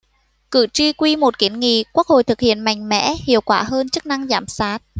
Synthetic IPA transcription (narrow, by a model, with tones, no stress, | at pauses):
kɨ̰˧˨t͡ɕi˧kwi˧mo˨˩t̚ki˨˦ənŋḭ˧˨ku˦˥k̚ho̰˧˨jt̪ɨ˨˩k̚hḭ˧˨ənma̰˧˨jŋ̟mɛ̰˧˥hḭ˧˨əwkwaː˧˩ɦəː˧nt͡ɕɨ˦˥k̚na˧ŋzaː˧˩msaː˦˥t̚